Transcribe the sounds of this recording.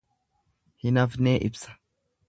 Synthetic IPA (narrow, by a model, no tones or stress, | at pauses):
hɪnɐfneːʔɪbsɐ̥